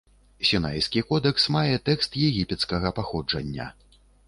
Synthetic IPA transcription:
sʲinajskʲikɔd̪ɛksmajɛt̪ɛkst̪jɛɣʲipʲɛt̪skɐɣɐpaxɔd͡ʐɐnʲːɐ̰

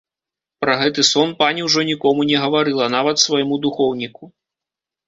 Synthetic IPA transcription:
pɾɐɣɛt̪ɨsɔnpanʲiwʐɔnʲikɔmunʲɛɣɐvaɾɨlˠɐnavɐt̪svɐjmud̪uxɔwnʲiku

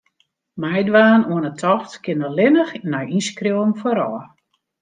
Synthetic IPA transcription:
mɛjdʋaːnuənətʰɔxtkɪnəlɪnəxnɔjiskriwnfoɾɔ

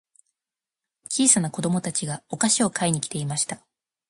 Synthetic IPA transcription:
t͡ɕʲiːsanako̞d̪o̞mo̞t̪at͡ɕiɡao̞kaɕio̞kʰaiɲ̟ikʲi̥t̪e̞imaɕi̥t̪a

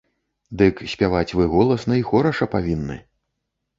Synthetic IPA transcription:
d̪ɨksʲpʲavat͡sʲvɨɣɔlˠɐsnɐixɔɾɐʂɐpavʲinːɨ̰

